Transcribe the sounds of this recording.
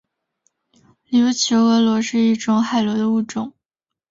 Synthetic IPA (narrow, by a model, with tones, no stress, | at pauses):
li˧u˥t͡ɕʰjo˧˥ʊɤ˧˥lwɔ˧˥ʂɻ̩˥˧i˥˩ʈ͡ʂʊ˧˩ŋxa˥˨˩ɪlwɔ˧˥d̪ə˧u˥˩ʈ͡ʂʊ˨˩˦ŋ